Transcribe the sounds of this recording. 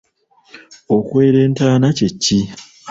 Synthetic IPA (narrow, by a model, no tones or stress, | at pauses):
o̞kwe̞ːɾeːntaːnace̞cːi